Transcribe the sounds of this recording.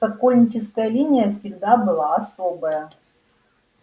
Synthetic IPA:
ɐkolʲnʲɪt͡ɕɪskəjəlʲinʲɪjəfsʲɪɡd̪abɨlˠaɐso̞bəjə

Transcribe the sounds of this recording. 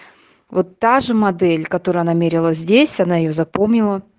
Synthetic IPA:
vot̪ːaʐɨmɐd̪ɛlʲkɐt̪oɾʊjɐnamʲeɾʲɪlˠəzʲdʲesʲɐnajɪjo̞zɐpomnʲɪlˠə

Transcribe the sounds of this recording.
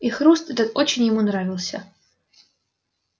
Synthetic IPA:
ixɾust̪ɛt̪ət̪o̞t͡ɕɪnʲjɪmunɾavʲɪlˠsʲə̰

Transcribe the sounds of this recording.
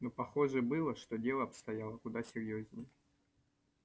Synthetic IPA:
nopɐxoʐɨbɨlˠəʂt̪o̞dʲelˠəɐpst̪ɐjalˠəkʊd̪asʲɪrʲjoznəjə

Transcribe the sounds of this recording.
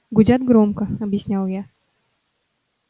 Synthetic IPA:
ɡʊdʲat̪ɡɾomkəɐbjɪsʲnʲalˠja

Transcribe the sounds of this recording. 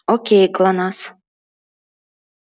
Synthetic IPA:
okʲejklˠɑnɑs

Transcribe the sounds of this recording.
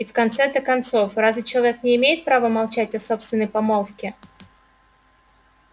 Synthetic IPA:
ifkɐnt̪sɛd̪əkɐnt̪so̞frazvʲɪt͡ɕɪlˠɐvʲeknʲɪːmʲejɪt̪̚pɾavəmɐlˠt͡ɕætʲɐso̞pst̪vʲɪnːəjpɐmolˠkʲɪ

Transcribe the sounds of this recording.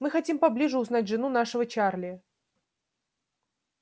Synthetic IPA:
mɨxɐtʲimpɐblʲiʐɨʊznatʲʐɨnunaʂɨvət͡ɕarlʲɪə

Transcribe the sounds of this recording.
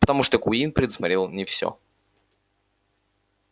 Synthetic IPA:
pə̥t̪ɐmuʂt̪əkuinpɾʲɪd̪smɐɾʲelˠnʲɪfsʲɔ̰

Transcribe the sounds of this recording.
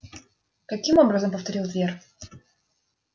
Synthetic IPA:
kɐkʲimobɾəzəmpəft̪ɐɾʲilˠt̪vʲer

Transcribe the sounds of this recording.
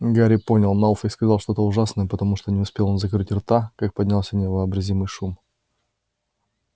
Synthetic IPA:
ɡaɾʲɪpo̞nʲɪlˠnaufɪskɐzlˠʂt̪ot̪əʊʐasnəjəpət̪ɐmuʂt̪onʲɪʊspʲe̞lˠo̞nzɐkɾɨtʲɪrt̪akak̚pɐdʲnʲalˠsʲənʲɪvəːbɾɐzʲimɨjʂum

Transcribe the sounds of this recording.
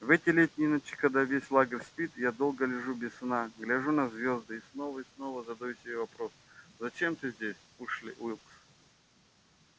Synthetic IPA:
vɛtʲɪlʲetʲnʲɪinɐt͡ɕi̥kɐd̪avʲesʲlˠaɡərʲsʲpʲit̪jad̪o̞lˠɡəlʲɪʐubʲɪssnaɡlʲaʐunɐzʲvʲo̞zd̪ɨisno̞vəisno̞vəzɐd̪ɐjusʲɪbʲevɐpɾoszɐt͡ɕe̞mt̪ɨzʲdʲesʲuʂlʲɪ̰ʔilˠks

